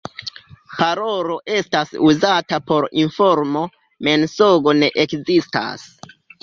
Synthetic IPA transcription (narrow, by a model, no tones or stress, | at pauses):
paɾo̞ɾo̞ʔe̞stasuzatapo̞ɾinfo̞ɾmo̞ | me̞nsoɡo̞ne̞ʔekzista̰s